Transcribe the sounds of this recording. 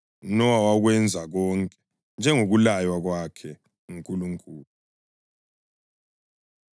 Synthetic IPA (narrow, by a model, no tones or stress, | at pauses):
nɔwawaɣwɛnd͡zʱaɣɔŋkʼɛ̥ | nd͡ʒʱɛŋoɣulajwaɣwakʰɛ | ŋiŋkʼuluŋkʼuːlu